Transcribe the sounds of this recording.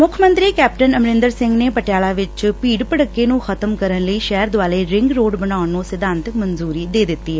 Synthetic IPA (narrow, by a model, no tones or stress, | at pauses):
mʊkʰmə̃nt̪ɾiːkɛːp̚ʈənəmɾɪ̃nd̪əɾsɪ̃ŋɡneːpəʈɪjaːlaːʋɪt͡ʃpiːɖpəɽəkːeːnũːxʰət̪əmkəɾənləiːʃɛːəɾd̪ʊaːleːɾɪ̃ŋɡɾoːɖbənaːʊnːũːsɪd̪ãːnt̪ɪkmənzuːɾiːd̪eːd̪ɪt̪ːiːɛ